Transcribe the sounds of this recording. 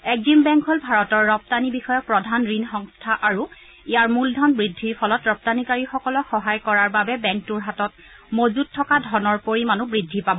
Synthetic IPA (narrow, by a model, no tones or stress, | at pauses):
ɛk̚zimbɛŋkɦɔlbʱaɹɔtɔɹːɔp̚tanibixɔjɔk̚pɹɔdʱanɹinxɔŋstʰaʔaɹu | ijaɹmuldʱɔnbɹidʱːiɹpʰɔlɔtɹɔp̚tanikaɹixɔkɔlɔxɔɦajkɔɹaɹbabɛbɛŋk̚tuɹɦatɔt̚ | mozuttʰːɔkadʱɔnɔɹpoɹimanubɹidʱːipabɔ